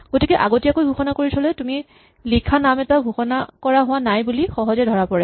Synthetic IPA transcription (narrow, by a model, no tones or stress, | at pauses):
ɡ̥otikɛʔaɡotijakojbʱuxɔnakoɹisʰɔlɛtumi | likʰanamɛtabʱuxɔna̰kɔɹaɦʊwanajbulixɔɦɔzɛdʱɔɹapɔɹɛ